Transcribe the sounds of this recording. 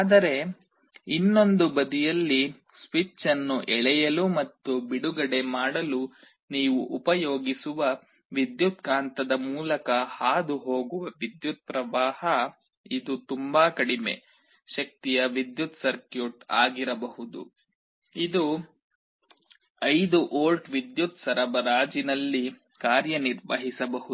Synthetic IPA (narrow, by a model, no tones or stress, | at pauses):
aːd̪ɐɾe̞ | inːo̞nd̪ubɐd̪ijɐlːi | sʋit͡ʃːɐnːuʔɛɭɛjɐlumɐt̪ːubiɽuɡɐɽe̞maːɽɐlu | niːʋuʔːpɐjoːɡisuʋɐ | ʋid̪jut̪̚kaːnt̪ɐd̪ɐmuːlɐkɐhaːd̪uɦoːɡuʋɐʋid̪jut̪̚pɾɐʋaːhɐ | id̪ut̪umbaːkɐɽime̞̰ | ʃɐk̚t̪ijɐʋid̪jut̪sɐɾkjuʈa̰ːɡiɾɐbɐɦud̪ṵ | id̪u | ɐjd̪uʔoːlʈʋid̪jut̪sɐɾɐbɐɾaːd͡ʒinɐlːi | kaːɾjɐniɾʋɐɦisɐbɐɦu